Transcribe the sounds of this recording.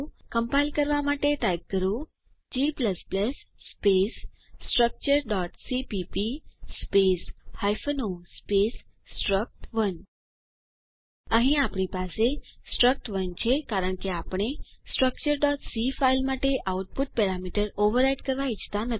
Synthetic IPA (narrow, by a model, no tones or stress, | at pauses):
kəmpailkəɾʋamaʈeʈajkkːəɾũ | d͡ʒipləspləsːpesː | ʈɾək̚t͡ʃəɾɖɔʈsipipispeshajfonospes | ʈɾək̚ʈʋən | əɦĩapɳipasesʈɾək̚ʈʋənt͡ʃʰekaɾəɳkeapɽ̃esʈɾək̚t͡ʃəɾɖɔʈsifailmaʈeʔauʈ̚puʈ̚pɛɾamiʈəɾoʋəɾajɖkəɾʋait͡ʃʰt̪anə